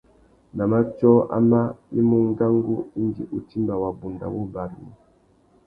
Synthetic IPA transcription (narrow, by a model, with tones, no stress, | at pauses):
na˨ma˦t͡ʃɔ˦ʔa̰˦ma˦ni˦mu˦ŋ˦ɡa˦ŋɡu˦i˦ndḭ˨ʔu˨ti˦mba˨wa˨bu˨nda̰˨wo˦ba˨ɾi˨